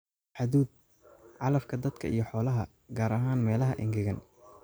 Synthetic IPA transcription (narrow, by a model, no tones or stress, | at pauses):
ħɑðuːd̪̚ | ʕɑlɐfkʰɐd̪ɐd̪kʰɐijɞħɔːlɐɦɐ | ɡaːɾɐɦaːnmɛːlɐɦɐʔɪŋɡɪɣɐn